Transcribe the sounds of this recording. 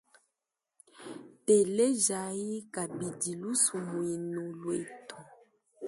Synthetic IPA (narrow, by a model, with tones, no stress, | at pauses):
te˨le˦ʒa˨ji˦ka˨bi˨di˨lu˦su˨mu˨i˨nu˨lwe˨tʰɔ˨